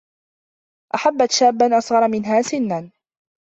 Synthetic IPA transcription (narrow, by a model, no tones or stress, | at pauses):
ʔaħabːat̪ʃaːbːanʔɑsˤʁɑɾˤɑmɪnɦaːsɪnːan